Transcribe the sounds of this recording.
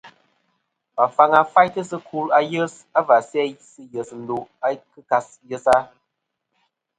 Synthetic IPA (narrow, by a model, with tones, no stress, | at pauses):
pa˨fa˨ŋa˨fa˦jtɨ˦sɨ˦kʰu˦la˦jə˦s | a˦va˨sɛ˦jsɨ˦jə˨sn̩˨˦do˨a˦kɨ˦ka˧s | jə˦sa˦